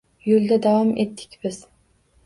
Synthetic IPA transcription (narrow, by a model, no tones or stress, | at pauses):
julˠd̪ɛd̪ɑvɑmʔet̪ʰːɪ̥kʲbɪz̥